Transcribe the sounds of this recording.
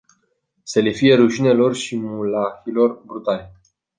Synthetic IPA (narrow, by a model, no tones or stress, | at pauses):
sele̞fije̞ɾuʃine̞lo̞rʃimulaxilo̞rbɾut̪ale